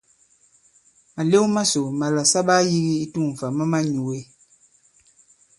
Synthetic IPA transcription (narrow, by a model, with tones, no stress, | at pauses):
a˨le˦ma˦so˨ma˨la˨sa˦ɓa˦ji˦ɣi˦i˦tu˦˨ɱ̩˨fa˨mə˦ma˦ɲu˨we˨˦